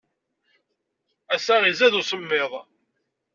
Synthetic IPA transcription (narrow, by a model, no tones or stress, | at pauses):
æsæʁizæðusəmːeðˤ